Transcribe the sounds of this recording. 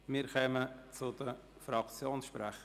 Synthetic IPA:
mɪːɾkʰœːmət͡sʊd̪ə | fɾɑkt͡sjoːnsʃpɾɛχə

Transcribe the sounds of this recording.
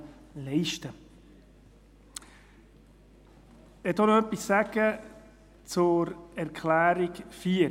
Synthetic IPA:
lɛɪʃtə | ɛt̪onoœpːisːæɡ̥ə | t͡sʊɾɛɾkʰlæːɾikfiː

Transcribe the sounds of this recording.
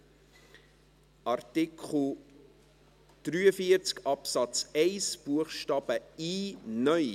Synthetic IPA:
ʔɑrtikχl̩ | d̪̥ɾyːəfiəɾt͡skɑpsɑt͡sɛɪsb̥uəχʃtɑːb̥əiːnœʏ

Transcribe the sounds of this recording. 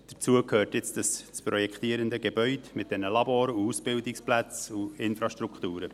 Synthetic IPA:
d̥ət͡suəkʰhøːrtjɪt͡sd̥əsspɾɔjɛkt̪iːəɾəndəɡeb̥œʏdmɪt̚d̥ɛnəlɑboːɾəuusb̥ɪldɪksplæt͡suɪnfɾɑʃtɾukχtuːɾə

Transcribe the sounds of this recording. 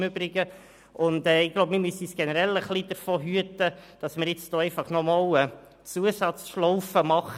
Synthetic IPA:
mʏbɾɪɡə | ʔʊndɛːɪɡ̥lowbmɪɾmysisɡ̥ɛnəɾɛləχlid̥əɾfoːɦyətəd̥ɑsməɾjɪt͡sd̥oːɛɪfɑχnɔmɑwə | t͡suəsɑt͡sʃlɔwfəmɑχ

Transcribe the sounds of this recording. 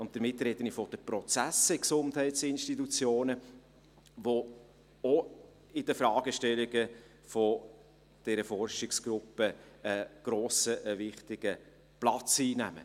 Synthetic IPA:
ʊnt̚d̥̪əɾmɪt̪ːɾɛd̥̪ənɪfɔd̥əpɾɔt͡sæsɛksʊnthɛɪtsɪnʃtitut͡sjoːnə | ʋo | ɔ | ɪd̥əfɾɑːɡ̥əʃtɛlɪɡə | fɔ | d̥ɛɾəfɔrʃɪksɡ̥ɾʊpːəəɡ̥ɾoːsəʔəʋɪχt̪ɪɡ̥ə | plɑt͡siːnæ̰mə̰

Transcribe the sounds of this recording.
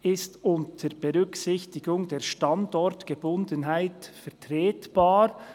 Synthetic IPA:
ɪstʊntʰəɾb̥ɛʁʏksɪçtɪɡʊŋdeːɾʃtɑndɔɾtɡ̥ebʊndənɦaɪtfɛʁtɾeːtb̥ɑːɾ

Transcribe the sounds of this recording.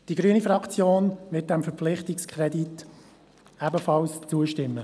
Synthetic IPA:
d̥iɡɾyənifɾɑkt͡sjoːnʋɪt̚d̥ɛmfəɾpp͡flɪχtɪkskʰɾɛdit | æbəfɑlst͡suəʃtɪmːə

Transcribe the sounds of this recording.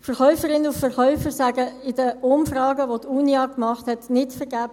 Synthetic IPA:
fəɾχœʏfəɾɪnʊfəɾχœʏfəɾsæɡəɪdəʊmfrɑːɡəʋotʰuːnjɑːkmɑχthɛtnɪtfəɾɡæːb

